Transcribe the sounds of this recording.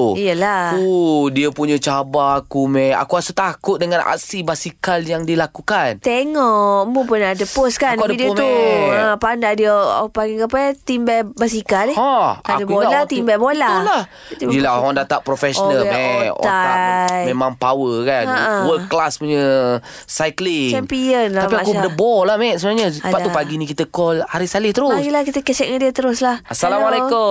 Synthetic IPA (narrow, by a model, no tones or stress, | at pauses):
ijəlakudiəpuɲət͡ʃabaːkumɛa̰kuasət̪akʊt̪̚dəŋana̰ksibasikaljaŋdilakukant̪eŋɔʔmupunadəposkankuaddəuə̃pandadiə̰paɡiŋkapat̪imbɛbas̬ikaleaʔaadəkuboalat̪imbɛbolalah | t̪əiəlaadat̪aʔpɾofɛsnalɛaajmemaŋpawəkaəwəkːlaspuɲə | sajkliŋt͡ʃɛmpiənlaapiakudəbɔlahmɛsəbənaɲəpat̪upaɡinikit̪əkɔlhaɾisalɪht̪əɾʊɡilahkit̪əkɛsɛ̰ʔ̚ŋandiət̪əɾʊslahasalamaleko